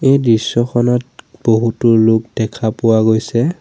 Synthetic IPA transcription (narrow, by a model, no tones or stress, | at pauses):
ejdɹisːɔxʰɔnɔt̚b̥oɦutʊlʊkdɛkʰapʊwaɡojsɛ